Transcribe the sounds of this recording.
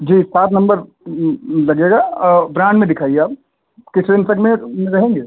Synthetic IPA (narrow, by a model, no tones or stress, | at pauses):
d͡ʒiːsaːt̪ʰnɐ̃mbəɾ | lɐɡeːɡabɾãːɳɖmẽd̪ɪkʰaːieaːp̚ | kɪsɾeːnsəkmẽmẽɾɐɦẽːŋɡeː